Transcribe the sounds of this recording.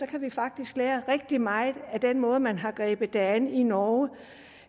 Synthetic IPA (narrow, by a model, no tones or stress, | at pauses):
sɒ̽kʰæʋifɑ̈ɡ̥̚d̥isɡ̥leːɐʁeɡ̥̚d̥imɑ̈ɪð̩ˠæd̥enmɔ̽ːð̞̩ˠmænɦɑ̈ɡ̥ʁɛ̰ːb̥ð̩ˠd̥ææninɒː